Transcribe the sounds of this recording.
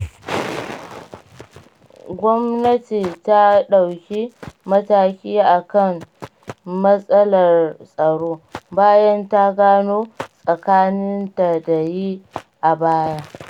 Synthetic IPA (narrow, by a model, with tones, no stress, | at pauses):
ɡʷɔ˦mnɐ˦ti˨ta˦ɗa˨wkʲi˦mɐ˦taː˦kʲiː˦ʔa˨kɐ˦˨ŋ | mɐ˦sʼɐ˦lɐ˨rsʼɐ˨ɽoː˦baː˦jɐ˦nta˦ɡaː˦noː˦sʼɐ˨kaː˦nɪ˦nta˨da˨ji˦ʔa˨baː˦jaː˦